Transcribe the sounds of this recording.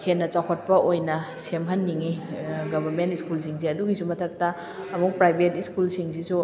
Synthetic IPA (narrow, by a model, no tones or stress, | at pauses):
henːɐt͡ʃawkʰot̚pɐʔojnɐ | semɦɐnːiŋiɡɐbʱɐɾmentiskulsiŋs̬eɐduɡisumɐtʰɐk̚tɐː | muk̚pɾajbʱetiskulsiŋsisu